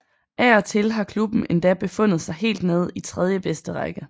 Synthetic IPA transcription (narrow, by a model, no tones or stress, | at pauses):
ʔæɒ̽t͡sʰe̝lɦɑ̈kʰlub̥n̩e̝nd̥æb̥e̝fɔ̽n̰ð̩ˠsɑ̈ɪɦe̝̰ːld̥ne̝ð̞ˠit͡sʰʁɛð̞ˠjəb̥esd̥əʁaɡ̥ə